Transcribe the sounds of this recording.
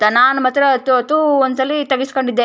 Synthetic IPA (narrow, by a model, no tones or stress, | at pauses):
t̪ɐnaːnmɐt̪ːɾɐt̪ːuɐt̪ːuonɐlːit̪ɐɡiskoɳɖid̪ːe